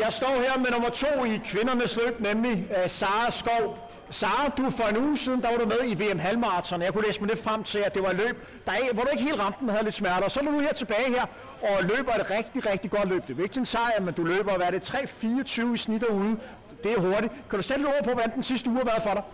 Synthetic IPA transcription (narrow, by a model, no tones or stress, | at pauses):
jɑ̈ɪsd̥ɒ̰ːheɐ̰menomɐt͡sʰo̝̰ːikʰʋe̝nɐnəslø̰ːb̥nemlisɑ̈ːsɡ̥ɒʊ̰ | sɑ̈ːd̥ufɒ̽e̝nuːsiːðˠn̩d̥ɑ̈ʋɑ̈ɾumeðˠiʋe̝ːemɦælmɑ̈ːt͡sʰɒnjɑ̈ɪkuleːsmɑ̈de̥fʁam̰t͡sʰe̝læd̥e̝ʋɑ̈lø̰ːb̥ | d̥ɑ̈eɡəʋɒɾue̝ɡ̥əɦe̝̰ːldʁɑ̈md̥n̩hæð̩ˠle̝d̥smæɐɾ̥ɐːsɒæd̥unuheɐ̰t͡sʰe̝b̥ɛːɪheɐ̰ | ɒ̽lø̰ːb̥ɐed̥ʁɛɡ̥̚d̥iʁɛɡ̥d̥iɡ̥ɒ̽d̥lø̰ːb̥d̥e̝ʋe̝ɡ̥sʰe̝nsɑ̰̈ːæmend̥ulø̰ːb̥ɐɒʋæːɐɾ̥e̝t͡sʰʁɛ̰ːfiːɒt͡sʰyːʊisnid̥ɐuð̞ˠə | d̥e̝æɦo̝ɐɾi̥kʰæɾ̥used̥led̥ɔ̰ð̰ɐpʰɒ̽ʋɒd̥ænd̥ensisd̥əuːɑʋæɐðˠfɒ̽ɾɑ̈ɪ